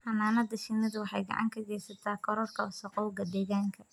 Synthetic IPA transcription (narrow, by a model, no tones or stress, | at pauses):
hɐnaːnɐd̪ɐʃɪnɐðʊwɑħɑjɡɑ̰ʕɑ̰ŋkʰɐɡɛːjsɐt̪ʰaːkʰɔɾɔrkʰɐʊsɐqɔwɡɐd̪ɛːɣaːŋkʰɐ